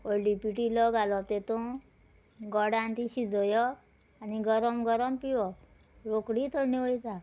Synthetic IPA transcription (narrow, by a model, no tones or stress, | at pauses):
oɖipiʈilɔɡalɔt̪et̪ɔ̃ | ɡɔɽãnt̪iɕid͡zɔjɔ | aniɡɔɾɔmɡɔɾɔmpiwɔ | ɾokɽit̪ʰɔniɔjt̪a